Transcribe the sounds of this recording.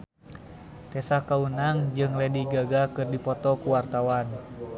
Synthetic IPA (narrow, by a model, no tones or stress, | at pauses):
t̪ɛsakaunaŋd͡ʒɨŋlɛdiɡaɡakɨrdipɔt̪ɔkuwart̪awan